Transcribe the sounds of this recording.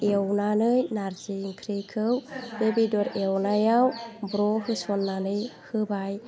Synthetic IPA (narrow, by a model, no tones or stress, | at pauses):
ewnanɯjnaɾzijŋkʰɾikʰɯwbebidɔɾewnajawbɾɔɦɯsɔnːanɯjhɯbaj